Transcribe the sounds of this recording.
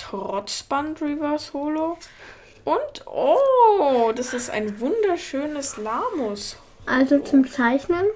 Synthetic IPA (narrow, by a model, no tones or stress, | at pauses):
tʁɔt͡sb̥antʁivɛɐsoːlo | ʔʊntʔoːdasɪsta̰ɪnvʊndɐʃøːnəslaːmɔs | ʔalzot͡sʊmt͡saɪçnən